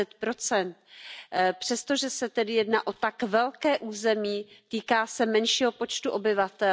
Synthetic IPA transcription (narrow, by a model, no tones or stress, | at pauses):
ɛt̪pɾo̞t͡sɛnt̪̚ | pr̝̥ɛst̪o̞ʒɛsɛt̪ɛdɪjɛdna̰ːʔo̞t̪akvɛlkɛːʔuːzɛmiːt̪iːkaːsɛmɛnʃiːɦo̞po̞t͡ʃt̪uʔo̞bɪvat̪ɛ